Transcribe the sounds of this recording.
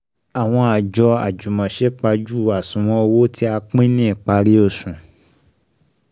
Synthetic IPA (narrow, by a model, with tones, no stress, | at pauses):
a˨w̃ɔ̃˧a˨d͡ʒɔ˧a̰˨d͡ʒu˨mɔ̃˨ʃe˨˦k͡pa˧d͡ʒu˦˨a˨sũ˨w̃ɔ̃˧o˧wo˦tʰi˦a˧k͡pĩ˦nĩ˦i˦˨k͡pa˧ɾi˦o˦˨sũ˨